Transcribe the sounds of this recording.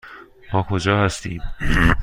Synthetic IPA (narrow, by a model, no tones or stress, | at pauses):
mɒːkʰod͡ʒɒːhæst̪iːm